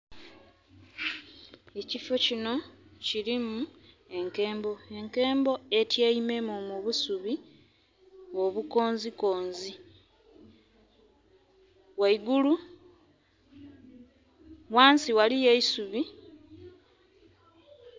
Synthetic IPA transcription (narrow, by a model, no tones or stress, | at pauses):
e̞cifo̞cino̞ciɾimu | e̞ŋke̞ːmbo̞e̞ŋke̞ːmbo̞e̞tjeime̞momuβusuβi | oβuko̞ːnziko̞ːnzi | waiɡulu | waːnsiwalije̞isuβi